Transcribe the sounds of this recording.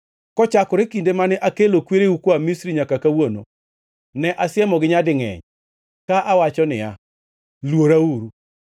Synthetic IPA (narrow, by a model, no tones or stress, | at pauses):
kɔt͡ʃakɔɾekindemanɛʔakelokweɾeukoamisɾiɲakakawono̰ | nɛʔasɪɛmɔɡɪɲadɪŋɛ̰ɲ | kaʔawat͡ʃɔnɪ̰ja̰ | lwoɾauɾu